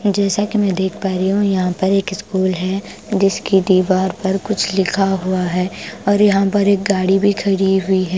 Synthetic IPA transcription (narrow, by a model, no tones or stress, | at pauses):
d͡ʒɛːsakimɛ̃ːd̪eːkʰpaːɾiɦũjɐɦãpɐɾeːkɪskuːlɦɛ | d͡ʒɪskid̪iːʋaːɾpɐɾkʊt͡ʃʰlɪkʰaɦʊaɦɛːɔːɾjɐɦãpɐɾeːk̚ɡaːɽibʱikʰɐɽiɦʊiɦɛː